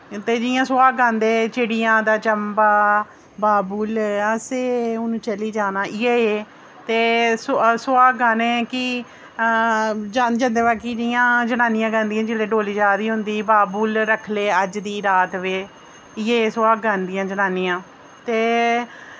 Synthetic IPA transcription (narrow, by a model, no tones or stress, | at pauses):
t̪eːd͡ʒɪjãːsʊaːɡãːnd̪eːt͡ʃɪɽɪjãːd̪aːt͡ʃəmbaː | baːbuːləseːʊnũːt͡ʃəliːd͡ʒaːnaːʔɪjeː | t̪eːssʊaːɡaːnẽːkɪ | d͡ʒaːnd͡ʒãːnd̪eːbaːkiːd͡ʒɪjãːd͡ʒənãːnɪjãːɡə̃ːnd̪ijãːd͡ʒɪleːɖoːliːd͡ʒaːd̪iːɦʊnd̪iːbaːbulɾəkʰleːəd͡ʒd̪iːɾaːt̪ʋeː | ɪjeːsʊaːɡɡaːnd̪ɪjãːd͡ʒənaːnɪjãː | t̪eː